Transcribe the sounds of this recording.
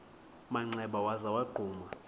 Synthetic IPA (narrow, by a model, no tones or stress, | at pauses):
maŋ͡ǀɛɓawazawaɡ͡ǃʱuːma